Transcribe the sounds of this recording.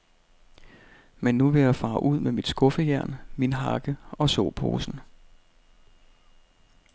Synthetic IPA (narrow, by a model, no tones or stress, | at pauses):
menːuʋe̝jɑ̈fɑ̈ːʔuð̞̰ˠmemid̥sɡ̥ɔ̽fəjæɐ̰nminɦɑ̈ɡ̥əɒ̽sɔ̰ːpʰo̝̰ːsn̩